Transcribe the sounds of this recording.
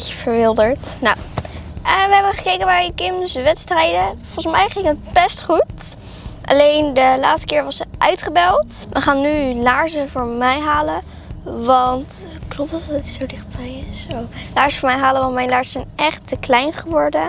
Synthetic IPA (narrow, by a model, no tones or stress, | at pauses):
əv̥əɹʋɪlˠdəɹtnaw | əʋəɦɛbəχəkejkənaːɹkɪmsʋɛtstrɛjdəfɔlsmɛjχɪŋət̚bɛstχut | ʔɑ̰lejndəlaːtstə̥kɪːɹʋɑsəʔœɥtχəbɛlˠtʋʔəχaːnːylaːɹzəvʊːɹmɛjɦaːlə | ʋɑnt | klɔp̚tɔttisowdɪχ̚bɛjɪsowlaːɹzəfʊːɹmɛjɦaːləʋɑntmɛjlaːɹsəzɛjnɛχtəklɛjnχəʋɔɹdə